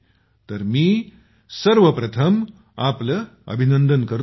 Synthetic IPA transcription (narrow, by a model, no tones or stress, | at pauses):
t̪əɾmiː | səɾʋəpɾɐt̪ʰəm | apləə̰bʱinənd̪ənkəɾ